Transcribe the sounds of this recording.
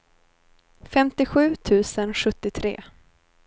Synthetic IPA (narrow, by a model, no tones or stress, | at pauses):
fɛmt̪ɪɧʉ̟ːt̪ʰʉ̟ːsənɧɵt̪ːɪt̪ʰɾḛː